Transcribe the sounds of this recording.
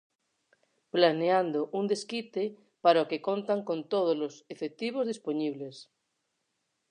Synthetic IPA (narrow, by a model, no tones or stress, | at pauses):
planeand̪oʔund̪eskit̪e | paɾaokekont̪aŋkont̪oð̞olosefek̚t̪iβ̞ozðisponiβ̞les